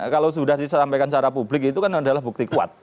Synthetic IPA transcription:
kalaws̬udahdisasampajkant͡ʃaɾapublɪk̬it̪ukanadalahbuk̚t̪ikua̰t̪̚

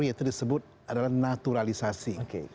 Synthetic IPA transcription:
ɾiit̪udisəbʊt̪̚ | adalahnat̪uɾalisasioke

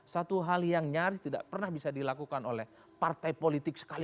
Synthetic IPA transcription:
sat̪uɦaljaŋɲaɾɪt̪ida̰ʔpərnahbisadilakukanolɛh | part̪ajpolit̪ɪksə̥kali

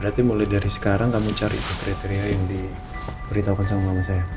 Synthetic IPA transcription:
bəɾat̪imulajdaɾisə̥kaɾaŋkamut͡ʃaɾit̪ukɾit̪eɾiajaŋdi | bəɾit̪aukansamaŋamasaja

